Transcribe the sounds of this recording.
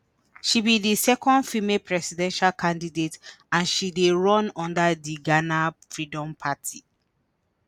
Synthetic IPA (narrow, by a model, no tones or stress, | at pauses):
ʃibidisɛkɔ̃ndfimepʰɹɛsidɛ̃nʃalkʰãndidetãnʃideɹɔ̃nɔ̃ndadiɡanafɹidɔ̃mpʰatʰi